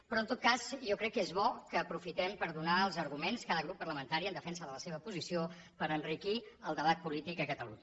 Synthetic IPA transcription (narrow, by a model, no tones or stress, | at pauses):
pɾɔənt̪ot̪̚kazjɔkɾɛkːezβɔkəːpɾufit̪ɛmpəɾðunaəlˠzəɾɣumenskaðəɣ̞ɾupːərləmənt̪aɾiənd̪əfɛnsəðələseβəpuzisio | pəɾənrikiəlˠd̪əβat̪̚pulit̪ikəkət̪əluɲə